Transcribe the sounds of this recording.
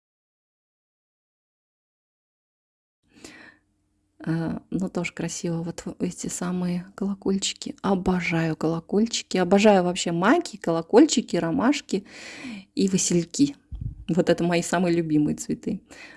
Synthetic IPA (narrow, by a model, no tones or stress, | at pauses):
anut̪o̞ʐə̥kɾɐsʲivəvo̞t̪ɛtʲɪsamɨjəkəlˠɐko̞lʲt͡ɕɪ̥kʲɪɐbɐʐajʊkəlˠɐkolʲt͡ɕɪ̥kʲɪɐbɐʐajʊvɐpɕːe̞makʲɪkəlˠɐko̞lʲt͡ɕɪkʲɪɾɐmaʂkʲɪ | ivɨsʲɪlʲkʲivo̞t̪ɛt̪əmɐjisamɨjlʲʊbʲimɨjət̪svʲɪt̪ɨ